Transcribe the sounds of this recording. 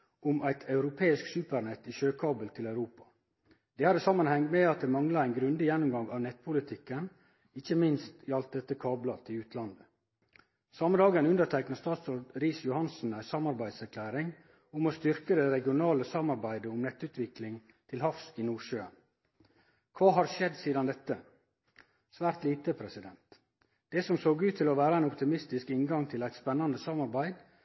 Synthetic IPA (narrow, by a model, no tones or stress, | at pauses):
ʊmʔæɪt̪ʰɑʉɾʊpʰeːɪsksʉːpəɾnɛt̪ːiʃøːkʰɑːbəlt̪ʰɪlæʉɾuːpɑ̥ | d̪̥ɛːhɑd̪əsɑmːənhɛŋt̪mɛɑt̪̚d̪ɛːmɑŋlɑæɪnɡɾʉnd̪ɪjɛnːʊmɡɑŋɑːʋnɛt̪̚ːpʰʊlɪt̪ʰɪkːən | ɪçəmɪnst̪iɑlt̪̚d̪ɛt̪ːəkʰɑːblɑt̪ʰɪʉːt̪ʰlɑnd̪ə | sɑməd̪ɑːɡənʉnd̪əɾʈʰæknəst̪ɑːt̪soːdɾiːsjʊhɑnsn̩æɪsɑmɑɾbæɪd̪sæɾkʰlæːɾɪŋ | ʊmost̪ʏɾkəd̪ɛɾɛɡɪʊnɑːləsɑmɑɾbæɪd̪əʊmnɛt̪ːʉt̪ʰʋɪklɪŋ | t̪ʰɪlhɑfsɪnuːʃøːə̰n | kʰʋɑːɦɑɾʃɛd̪siːd̪ɑnd̪ɛt̪ːə | sʋæːɾt̪liːt̪əpʰɾɛsɪd̪ɛnt̪ | d̪̥ɛsɔmsoːɡʉːt̪ʰːɪlɔʋæːɾəæɪnɔpt̪ɪmɪst̪ɪskɪŋɡɑŋt̪ʰɪlæɪt̪spɛnːɑnd̪əsɑmɑɾbæɪd̪